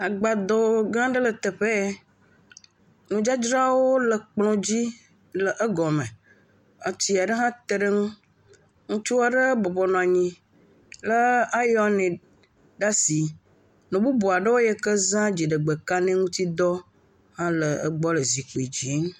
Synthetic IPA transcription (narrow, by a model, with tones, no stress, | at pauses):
a˨ɡ͡ba˨d̪ɔ˨˦ɡã˦ɖə˦lə˨t̪ə˨ɸe˦ | nũ˨d͡ʒa˦d͡ʒɾa˦wo˦lə˨k͡plɔ̃˦d͡ʑi˦ | lə˨ʔə˦ɡɔ˨mẽ˨ | ə˦t̪i˦a˨ɖə˦ɦã˦t̪e˨ɖə˦ŋũ˦ | ŋũ˦t͡ʃu˦wa˨ɖə˦bɔ˨bɔ˨nɔ̃˨a˨ɲĩ˨ | lə˦a˦jɔ˨˦nɛ̃˨ | ɖa˦si˨ | nɔ̃˨bu˦bu˨a˨ɖə˦wo˦jɛ˦kə˦zã˦d͡ʑi˨ɖə˨ɡ͡bə˨ka˦nɛ̃˦ŋũ˦t̪i˦d̪ɔ˦ | hã˦lə˨ə̰˦ɡ͡bɔ˦lə˨zi˨k͡po˨i˨d͡ʑi˨˦ŋ